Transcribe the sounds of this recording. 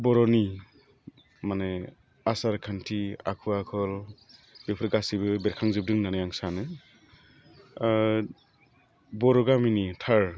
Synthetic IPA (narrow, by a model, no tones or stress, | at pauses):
bɔɾɔni | mane | asaɾkʰantʰia̰kʰuakʰɔlb̥epʰɯɾɡasibɯbeɾkʰaŋzɯb̚dɯŋnanɯjaŋsanɯ | bɔɾɔɡaminitʰaɾ